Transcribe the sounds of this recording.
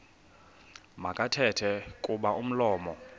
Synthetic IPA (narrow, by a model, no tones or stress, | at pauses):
makʼatʰɛtʰɛkʼuɓaʔum̩lɔːmɔ